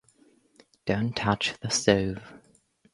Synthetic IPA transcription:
d̥ə̃ʊ̃ntʰat͡ʃðəstəʊv̥

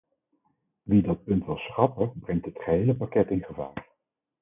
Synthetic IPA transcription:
ʋidɑt̚pɵntʋɪlˠsχɑpəbrɛŋtɦətχəɦejləpakɛtɪnχəva̰ːɹ

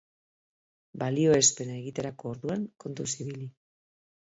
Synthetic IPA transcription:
balio̞e̞spe̞nae̞ɣit̪e̞ɾako̞ːɾðuaŋko̞nt̪usiβili

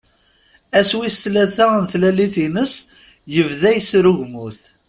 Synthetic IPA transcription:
æswist̪læθæənθlæliθinəs | jəvðæjsɾuʝmuθ

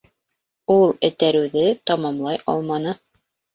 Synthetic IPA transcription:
ulˠɘ̆t̪æɾɘ̆wðɘt̪ɑmɑmlˠɑjʔɑ̰lˠmɑnɤ

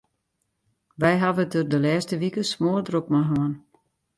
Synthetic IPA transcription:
ʋɛjɦaʋətørdəlɛːstəʋikəsmoərdrok̚maɦon

